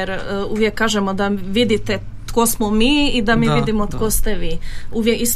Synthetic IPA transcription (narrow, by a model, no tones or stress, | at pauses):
eɾuʋjekːaːʒemod̪aʋid̪it̪ɛ | t̪kosmomiːid̪amiʋid̪imot̪kost̪ɛʋiːuʋjekis